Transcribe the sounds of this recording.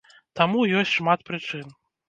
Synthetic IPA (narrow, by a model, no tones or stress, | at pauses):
t̪amujɔsʲʂmat̪̚pɾɨt͡ʂɨn